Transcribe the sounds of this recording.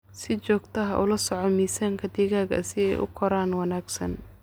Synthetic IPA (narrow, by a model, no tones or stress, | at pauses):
sɪt͡ʃɔːɡt̪ʰɐɦɐʔʊlɐsɔʕɔmiːsaŋkʰɐd̪iɣaːɣɐ̰sɪɛ̰jʔʊ̰kʰɔɾaːnwɑnaːɡsɐn